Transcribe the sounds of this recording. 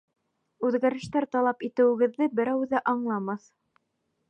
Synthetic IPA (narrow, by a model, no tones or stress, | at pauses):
ʉðɡæɾɘ̆ʃt̪æɾt̪ɑlˠɑpit̪ɘ̆wɘ̆ɡɘ̆ðːɘbɘ̆ɾæwðæʔɑɴlˠɑmɑθ